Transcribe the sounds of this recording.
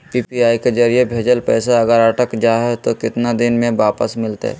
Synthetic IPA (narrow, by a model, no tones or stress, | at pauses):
piːpiaːiked͡ʒəɾijebʱeːd͡ʒəlpɛːsaɐɡəɾəʈəkd͡ʒaːɦɛt̪okɪt̪nad̪ɪnmẽʋaːpəsmɪlt̪ḛ